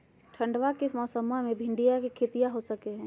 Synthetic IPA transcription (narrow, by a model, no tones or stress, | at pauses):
ʈʰə̃ɳɖʋakimɔːsəmamẽbʱɪ̃ɳɖijakikʰeːt̪ijaɦosəkeɦɛ̃ː